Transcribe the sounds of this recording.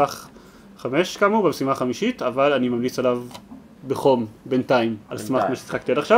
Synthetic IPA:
aχ | χameʃkamubemesimaχamiʃitavalanimamlit͡salav | beχo̞mbentaimalsmaχmaʃesi̥χakt̪ialaχʃa

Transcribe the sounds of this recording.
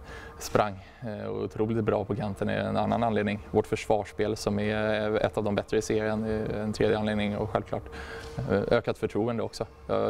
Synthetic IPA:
spɾʔaŋː | ʊ̰t̪ʰɾuːlɪt̪̚bɾɑ̰ːpʰɔkʰant̪ʰənɛ̰ɛ̰nanːananleːd̪nɪŋvɔʈfœʂvɑːʂpeːlsɔmɛɛ̰t̪ːɑvd̪ɔmbɛt̪ːɾəɪseːɾɪənɛɛnt̪ʰɾeːd̪jəaneːd̪nɪŋɔ̰ɧɛlvkʰlɑ̰ːʈ | øːkat̪fœʈʰɾuːənd̪əɔksɔ | jɑ̰

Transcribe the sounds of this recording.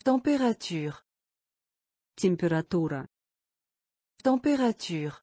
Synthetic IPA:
t̪ɑ̃peʁat̪ʰyːʁ | t̪ɛ̃mpeɾat̪uɾa̰ | t̪ɑ̃peʁat̪ʰyːʁ

